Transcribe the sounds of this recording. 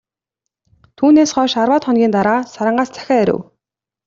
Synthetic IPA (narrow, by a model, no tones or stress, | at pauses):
t̪ʰuːneːsχɔːʃarwaːt̪χɔnɡʲiːnt̪aɾaːsaɾə̆ɴɢaːst͡sʰæ̥xʲæːæɾʲɘ̰w